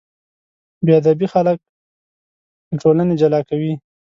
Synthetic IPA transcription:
bead̪abixalək̚ | d̪əʈoləned͡ʒalɑkawi

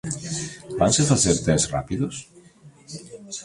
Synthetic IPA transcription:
bansefaθɛɾt̪ɛsra̰piðos

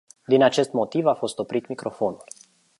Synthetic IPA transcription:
d̪inat͡ʃe̞st̪mo̞t̪ivafo̞st̪o̞pɾit̪mikɾo̞fo̞nulʲ

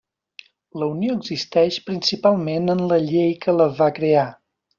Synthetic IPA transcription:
ləunioəɡzist̪ɛʃpɾinsipalˠmenənləʎejkələvakɾea

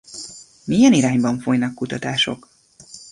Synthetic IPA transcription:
mijɛniɾaːɲbɒɱfo̞jnɒkːut̪ɒt̪aːʃo̞̰k

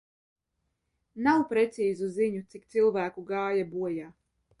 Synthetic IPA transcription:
nawpɾɛt̪siːzuziɲut̪sik̚t̪silˠvæːkuɡaːjabuɔjaː

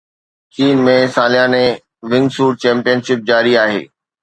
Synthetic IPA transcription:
kiːnmẽsaːlɪjãːnẽ | ʋɪ̃ŋɡsuːɾt͡ɕɛ̃ːmpijənʃɪp̚d͡ʑaːɾiaːɦḛː

